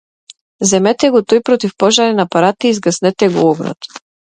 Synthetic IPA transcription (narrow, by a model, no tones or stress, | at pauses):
zɛmɛt̪ɛɡɔt̪ɔjpɾɔt̪ifpɔʒaɾɛnapaɾat̪iːzɡasnɛt̪ɛɡɔɔɡɾɔ̰t̪